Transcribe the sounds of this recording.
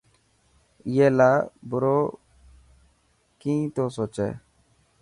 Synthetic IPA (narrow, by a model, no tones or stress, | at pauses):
jeːlaːbʊɾo | kĩːt̪osoːt͡ʃḛ